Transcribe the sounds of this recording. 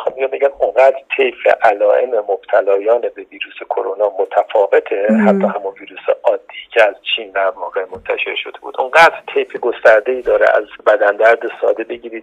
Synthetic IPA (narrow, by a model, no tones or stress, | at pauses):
xɒmmijɒːmbeɟæmuŋɢæːd̪ɾt̪ʰejfḛʔælɒːʔe̞memob̚t̪ʰælɒːjɒːnebe̞viːɾuːse̞kʰo̞ɾo̞nɒːmot̪ʰæfɒːve̞t̪ʰehæt̪ʰːɒːhæmunviːɾuːseɒːd̪ːiːcʰeæzt͡ʃʰiːnd̪æɾvɒːɣe̞mo̞nt̪ʰæʃe̞ɾʃo̞d̪e̞bṵːd̪ʔuɴɡæːd̪ɾt̪ʰejfeɡo̞st̪æɾd̪e̞iːd̪ɒːɾḛʔæ̰zbæd̪ænd̪æɾd̪esɒ̰ːd̪e̞be̞ɟiːɾiːd̪